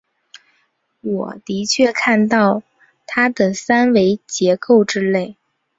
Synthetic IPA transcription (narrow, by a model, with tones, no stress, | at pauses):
wɔ˨˩t̪i˧˥t͡ɕʰɥɛ˥˧kʰa˥˧nt̪ɑ˥˩ʊ | t̪ʰa˥d̪ə˨sa˥nwe˧˥ɪt͡ɕjɛ˧˥ko˥˩ʊʈ͡ʂɻ̩˥le˥˩ɪ